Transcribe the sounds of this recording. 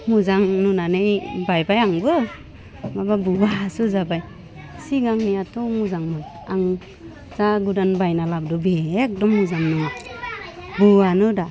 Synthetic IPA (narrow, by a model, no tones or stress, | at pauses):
muzaŋnunanɯjbajbajaŋbɯ | mababuwasuzabaj | siɡaŋnijatʰɔmuzaŋmɯ | aŋ | zaɡudanbajnalab̚dɔbek̚dɔmːuzaŋnɯ | buanɯda